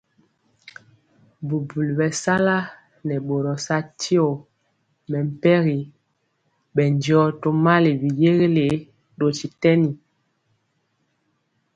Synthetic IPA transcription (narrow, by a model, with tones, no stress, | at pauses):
bu˨bu˨lbɛ˨sa˦la˦ | nɛ˨ɓo˨ɾɔ˨sa˦tʰi˦o˨ | mɛ˨m̩˨pɛ˦ɣi˨ | bɛ˨n˦d͡ʒjɔ˦to˦ma˦le˨bi˨je˦ɣe˦le˨ | ɗo˨ti˨tɛ˦ni˨